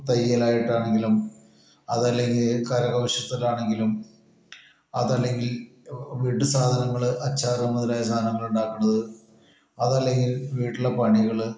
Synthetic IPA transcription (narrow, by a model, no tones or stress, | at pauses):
t̪ɐjɐlaːjiʈːaːɳe̞ŋɡilum | ɐ̰ðɐlːe̞ŋɡilkɐɾɐɣɐʋɐʂjɐt̪ːɐlaːɳe̞ŋɡilum | ɐðɐlːe̞ŋɡil | ʋiːʈːɨsaːd̪ʱɐnɐŋːɐɭʔɐt͡ɕːaːɾɐmɐðiɾaːjɐs̬aːd̪ɐnɐŋːɐɭuɳɖaːkːuɳːɐðɨ | ɐðɐlːe̞ŋɡilʋiːʈːiɭːɐpɐɳiɣɐɭ